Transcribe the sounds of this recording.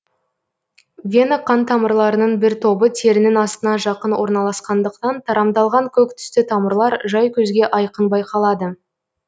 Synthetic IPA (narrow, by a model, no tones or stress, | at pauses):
vʲenaqːɑnt̪ʰɑməɾlˠɑɾənəɴbɪɾt̪ʰo̞bət̪ʰe̞ɾɪnɪnɑst̪ənɑʒɑqənwo̞ɾnɑlˠɑsqɑnd̪əq̚t̪ɑnt̪ʰɑɾɑmd̪ɑlˠʁɑŋkʲʰɵk̚t̪ʰʏ̥st̪ɪt̪ʰɑməɾlˠɑɾʒɑjkʲʰɵzɡʲe̞ʔɑjqənbɑjqʰɑlˠɑd̪ə